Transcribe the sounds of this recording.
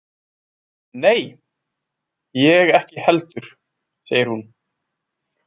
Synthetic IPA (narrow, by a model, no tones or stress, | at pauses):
neːj | jɛɣɛhcɪhɛlt̪ʏɾ̥ | seːjɪɾhun